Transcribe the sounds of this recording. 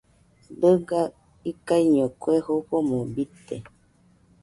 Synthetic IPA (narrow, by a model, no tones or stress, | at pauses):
dɨɡa | ikaiɲõkwehoɸomũbit̪e